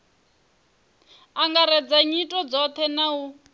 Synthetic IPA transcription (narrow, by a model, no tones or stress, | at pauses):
aŋɡaɾɛd͡zaɲitʼɔd͡zɔt̪ʰɛnawu